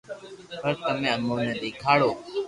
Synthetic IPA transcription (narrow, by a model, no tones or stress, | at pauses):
pəɾt̪əmẽːənoːnẽd̪eːkʰaːɽoː